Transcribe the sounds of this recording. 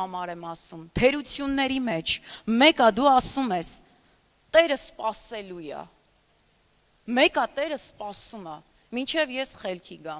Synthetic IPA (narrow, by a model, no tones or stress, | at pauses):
ɑmɑɾɛmɑsumt̪ʰɛɾut͡sʰjunːɛɾimɛt͡ʃʰmɛkɑd̪uɑsumɛs | t̪ɛɾəspɑsɛlujɑ̰ | mɛkɑt̪ɛɾəspɑsumɑ | mint͡ʃʰɛvjɛsχɛlkʰiɡɑm